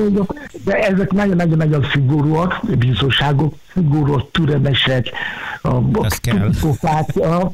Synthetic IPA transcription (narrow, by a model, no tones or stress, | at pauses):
ood̪ɛʔɛzɛknɒɟonːɒɟonɒɟonsiɡuɾuːɒkbiːzoɲʃaːɡoksiɡoɾuɒkt̪yɾɛmɛʃɛk | t̪upit̪ofaːk